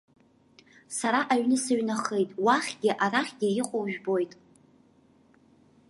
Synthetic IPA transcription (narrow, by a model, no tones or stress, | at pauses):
saɾaʔaɥnɨsaɥnaχejtʼwaχʲɡʲɪʔaɾaχʲɡʲɪɪqʷʼowʒᶣbo̞jtʼ